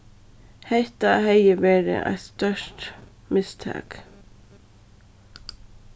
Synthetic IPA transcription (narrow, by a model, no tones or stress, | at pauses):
heɪt̪ɑːheʏəʋeːɾə̰ʔæ̰ɪst̪œʃʈ | mɪst̪ʰɑ̰ːk